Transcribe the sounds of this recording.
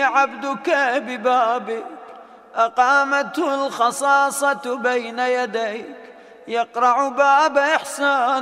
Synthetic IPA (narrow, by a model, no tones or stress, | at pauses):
ʕabd̪ʊkabɪbaːbɪk | ʔɑqɑːmat̪hʊlxɑsˤɑːsˤɑbajnajad̪ajk | jɑqɾˤɑʕbaːbaʔɪħsaːn